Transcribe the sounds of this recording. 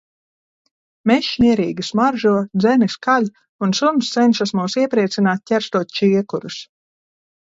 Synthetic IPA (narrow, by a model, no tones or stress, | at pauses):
mɛʃmʲiɛɾiːɡismaɾʒuɔd̪zɛniskalʲ | unsumst̪sɛnʃasmuːsiɛpɾiɛt̪sinaːt̪̚ʲcʲɛɾst̪uːt̪̚t͡ʃiɛkuɾus